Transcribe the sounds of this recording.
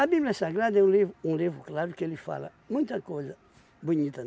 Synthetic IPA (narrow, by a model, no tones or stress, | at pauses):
ɐbibljɐsãɡɾad̪ɐɛũlivɾʊũlivɾʊklaɾʊkɪelɪfa̰lɐ̰ | mũj̃t̪ɐkojzɐ | buɲit̪ɐ